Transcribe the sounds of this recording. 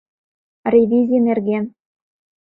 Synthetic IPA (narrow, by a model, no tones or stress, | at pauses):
rʲevʲizʲinerɣen